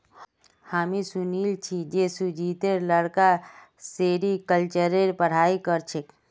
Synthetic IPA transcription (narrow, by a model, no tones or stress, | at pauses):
hamisunilt͡ʃʰid͡ʒesud͡ʒʱit̪eɾləɽka | seɾikəlt͡ʃəɾeɾpəɽ̤aikəɾt͡ʃʰek